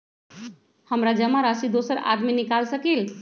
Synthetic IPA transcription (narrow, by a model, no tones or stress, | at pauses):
həmɾad͡ʒəmaɾasid̪osəɾa̰d̪minikalsəkil